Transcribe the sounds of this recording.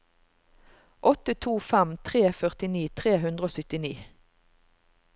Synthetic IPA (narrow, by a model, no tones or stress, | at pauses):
ʔɔt̪ət̪ʰuːfɛmt̪ʰʁeːfœʁt̪ɪniːt̪ʰʁeːɦʉnd̪ʁəoːsʏt̪ɪniː